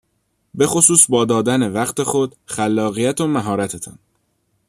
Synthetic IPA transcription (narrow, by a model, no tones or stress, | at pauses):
be̞xo̞suːsbɒːd̪ɒːd̪æne̞væɢt̪ʰe̞xod̪xælːɒːɣijæt̪ʰo̞mæɦɒːɾæt̪ʰet̪ʰɒ̰n